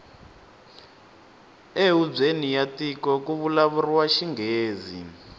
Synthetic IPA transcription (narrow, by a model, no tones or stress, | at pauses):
eub͡ʐenijatikɔkuβulaβuriwaʃiŋɡeːzḭ